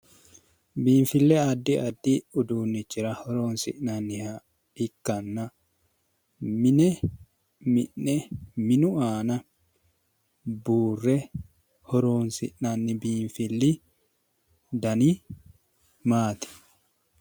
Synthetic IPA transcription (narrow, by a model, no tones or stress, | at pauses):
biːnfɪlːɛɐd̪ːɪɐd̪ːɪʊd̪uːnːɪt͡ʃːɪɾɐhɔɾoːnsɪ̰ʔnanːɪhḁ | ɪkːɐnːɐ | mɪnɛ | mɪʔːɛmɪnʊaːnɐ | buːrːɛ | hɔɾoːnsɪ̰ʔnɐnːɪbiːɱfɪlːɪ | d̪ɐni | maːt̪ɪ̥